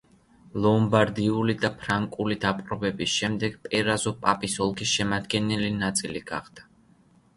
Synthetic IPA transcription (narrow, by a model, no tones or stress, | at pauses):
lˠɔmbaɾd̪iulid̪apʰɾaŋkʼulid̪apʼɾɔbɛbisʃɛmd̪ɛɡ̥pʼɛɾazɔpʼapʼisɔlˠkʰisʃɛmad̪ɡɛnɛlinat̪sʼiliɡa̰χd̪̥ḁ